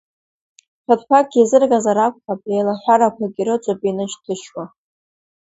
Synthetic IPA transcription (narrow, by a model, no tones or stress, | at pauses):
ħʰʷatʰʼpʷʰak̚ʼɡʲazɨrɡazaɾakʷʼχabrejlaħʷaɾakʷʰaɡʲiɾɨt͡ʃʷʼapʼinɨʃtʰɨʃwa